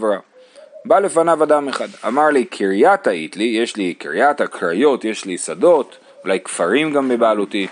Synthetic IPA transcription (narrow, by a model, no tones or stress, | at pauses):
vɾa | bale̞fanavad̪ameχad̪a̰maʁlikʰiʁijat̪aḭt̪lijeʃlikiʁijat̪hakʰʁajo̞tje̞ʃlisad̪o̞t̪ | ulajkfaʁimɡambebaːlut̪i